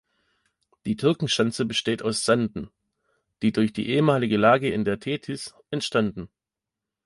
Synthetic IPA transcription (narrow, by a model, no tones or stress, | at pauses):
d̥iːtʰʏɐkŋ̩ʃant͡səbəʃteːtʰaʊsz̥andn̩ | d̥iːdʊɐçd̥ḭːʔeːəmaːlɪɡəlaːɡəɪndeːɐtʰeːtʰɪsʔɛntʃtandn̩